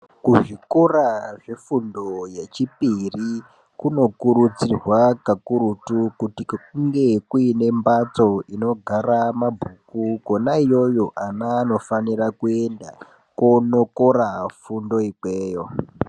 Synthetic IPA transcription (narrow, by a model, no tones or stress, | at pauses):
kuʐikoraʐefundo̞je̞t͡ʃipiri | kuno̞kuɾut͡sirwakakuɾutukutikuŋɡe̞kuine̞mbat͡so̞ino̞ɡʱaɾamabʱukuko̞naijo̞jo̞ʔanaːno̞fanirakue̞nda | kono̞koɾafundo̞ikweːjo